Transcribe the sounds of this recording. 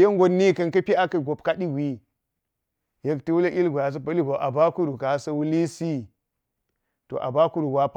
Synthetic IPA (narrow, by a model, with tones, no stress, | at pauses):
je˦ŋɡo˨nːi˦˨kɐ˦nkɐ˦pi˦a˦kɐ˨ɡo˨pka˦di˦ɡʷi˦ | je˦kti˦wu˦le˦ʔi˦lɡʷo˨ja˨s̬ɐ˦pɐ˦li˦ɡo˨ʔa˨ba˦ku˦ɾu˨ka˨˦sɐ˦wu˦li˦si˦ | to̰˨ʔa̰˨ba˦ku˦ɾu˨ɡa˦p